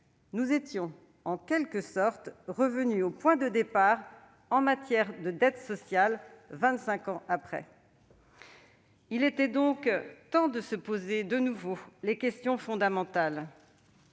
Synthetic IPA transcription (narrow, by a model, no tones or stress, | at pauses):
nuzet̪jɔ̃ | ɑ̃kʲɛlkəsɔʁt̪ʁəvənyopwɛ̃d̪əd̪epaʁ | ɑ̃mat̪jɛʁd̪əd̪ɛt̪sɔsjalvɛ̃t̪sɛ̃kɑ̃ʔapχɛ̰ | ilet̪ɛd̪ɔ̃kt̪ɑ̃d̪əsəpozed̪ənuvolekʲɛst̪jɔ̃fɔ̃d̪amɑ̃t̪al